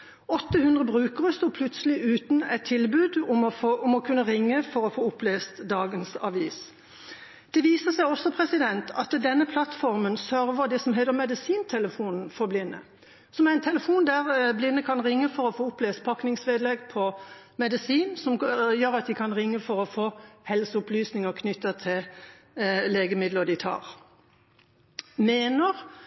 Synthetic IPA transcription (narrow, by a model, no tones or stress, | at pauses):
ɔt̪ːəhʉnd̪ʁəbʁʉːkəʁəst̪oːpʰlʉt̪səlɪʔʉːt̪n̩ɛt̪ʰːɪlbʉːd̪ʊmɔʊmɔkʰʉnːəʁɪŋːəfɔɾɔfoːʊpleːst̪d̪ɑːɡənsɑ̰ʋiːs | d̪̥ɛʋiːsəsæɪɔsːɔpʰʁɛsɪd̪ɛnt̪ʰɑt̪d̪ɛnːəpʰlɑt̪fɔɾmənsœɾʋəd̪ɛsɔmɦɛːt̪əʁmɛd̪əsiːnt̪ʰɛləfuːnn̩fɔʁblɪnːə̰ | sɔmæʁæɪnt̪ʰɛləfuːnd̪æʁblɪnːəkʰɑnʁɪŋːəfɔɾɔfoːʊpleːspʰɑknɪŋsʋeːd̪lɛɡpʰɔ | mɛd̪əsiːnsɔmjøːɾɑt̪̚d̪ɪkʰɑnʁɪŋːəfɔʁɔfoːhɛlsəʊplyːsnɪŋəʁkʰnʏt̪ːət̪ʰɪl | leːɡəmɪd̪ləd̪ɪt̪ʰɑ̰ːʁ | meːnəʁ